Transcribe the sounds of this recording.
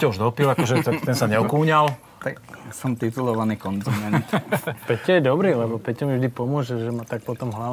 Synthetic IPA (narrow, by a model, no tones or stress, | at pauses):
cauʒd̪ɔpilakɔʒɛt̪akt̪ɛnsaɲɛɔkuːɲal | t̪aksɔmt̪it̪ulɔʋanikɔnzimɛt̪pɛccɛjɛd̪ɔbɾilɛbɔpɛccamivʒd̪ipɔmʊɔʒɛʒɛmat̪ak̚pɔt̪ɔmɦla